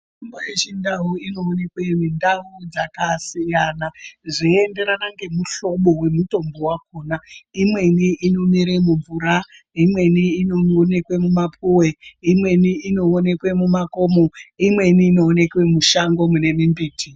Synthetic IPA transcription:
ʐimbojet͡ʃindauino̞ːne̞kwe̞mindaud͡zakasijanaʐiende̞ɾanaŋɡe̞muɬo̞ɓo̞we̞muto̞mbowakoːnaimwe̞niʔːno̞miɾemuɱvuɾa | imwe̞niːnone̞kwe̞mumapʰuwe̞imwe̞niːno̞ːne̞kwe̞mumako̞moimwe̞niːno̞ːne̞kwe̞muʃaŋɡo̞mune̞mimbiːtʰi

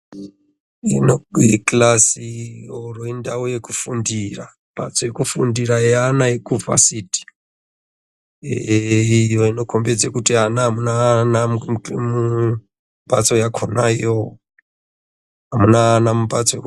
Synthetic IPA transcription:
ḭnoklasioroindaujekufundira | mbʱa̰t͡sojekufundiɾaeanaekuva̰siti̥ | ijoino̞kʰo̞mbed͡zekutianaɦamunanammu | mbat͡so̞jakʰonaijo | ɦamunaːnamumbat͡sojek

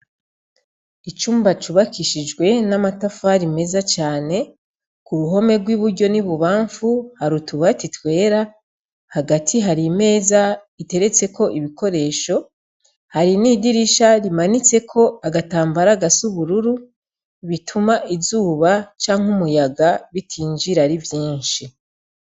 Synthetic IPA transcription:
it͡ʃuːmbat͡ʃuβakiʃid͡ʒɡwe̞namatafaɾime̞zat͡ʃaːne̞ | kuɾuɦo̞me̞ɡwiβuɾɟo̞niβuβaːɱfuhaɾutuβatitwe̞ːɾa | haɡatʰiɦaɾime̞ːza | ite̞ɾe̞t͡se̞ko̞ʔiβiko̞ɾe̞ːʃo̞ | haɾiniːdiɾiʃaɾimanit͡se̞kʰo̞aɡataːmbaɾaɡasuβuɾuɾu | βitʰumaʔizuːβat͡ʃaːŋhumujaɡaβitʰiːɲd͡ʒiɾaɾivjiːnʃi

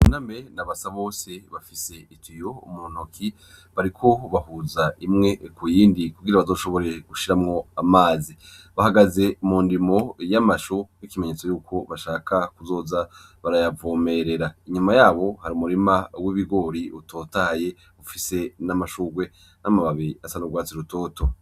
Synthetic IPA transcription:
unamenaβasaβo̞ːse̞βafise̞itʰijo̞muːn̥okʰi | βaɾikʰo̞βaɦuzaimŋe̞kujiːndikuɡiɾaβazo̞ːʃo̞βo̞ɾe̞ɡ̥uʃiɾamŋo̞amaːziβahaɡaze̞muːndimo̞jamaʃunikime̞ɲe̞t͡so̞juːkʰo̞βaʃaːkʰakuzo̞ːzaβaɾajavoːme̞ɾe̞ɾaiɲumajaːβo̞haɾiumuɾimawiβiɡo̞ɾiutʰo̞ːtaje | ufise̞namaʃuɡwe̞ | namaβaβiasanoɡwaːt͡siɾuto̞ːto̞

